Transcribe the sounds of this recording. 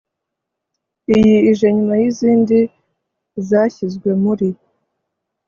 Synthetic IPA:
ijiːʒeɲumajiziːndi | zaçizɡwe̞muɾi

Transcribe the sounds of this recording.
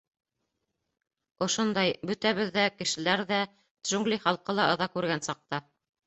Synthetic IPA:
ŏʃond̪ɑjbɵ̆t̪æβɘðːækɘ̆ʃɘ̆læɾðæ | ʒuŋɡlʲiχɑlˠqɤlˠɑɤ̆ðɑkʉɾɡænsɑq̚t̪ɑ

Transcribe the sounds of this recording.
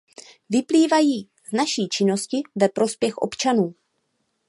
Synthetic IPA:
vɪpliːvajiː | znaʃiːt͡ʃɪno̞scɪvɛpɾo̞spjɛxʔo̞̰pt͡ʃanuː

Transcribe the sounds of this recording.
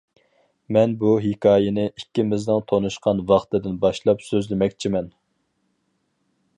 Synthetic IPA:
mɛnbuɦikʰɑːjɪnɪikʲːɪmɪznɨŋt̪ʰonuʃqɑnvɑχt̪ɨd̪ɪnbɑʃlˠɑpsøzlɪmɛkʲt͡ʃʰimɛn

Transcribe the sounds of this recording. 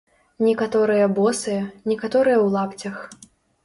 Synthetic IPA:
nʲɛkat̪ɔɾɨjɐbɔsɨjɐnʲɛkat̪ɔɾɨjɐwlˠapt͡sʲɐx

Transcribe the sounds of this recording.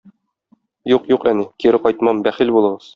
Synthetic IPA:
juqjuqænikiɾɘqɒjt̪mɑmbæχilbulˠɤ̆ʁɤz̥

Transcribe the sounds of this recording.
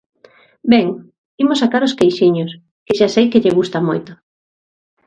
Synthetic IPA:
bɛŋ | imosakaɾʊskejʃiɲos | kɪʃasejkɪʎeɣust̪amojt̪o̥

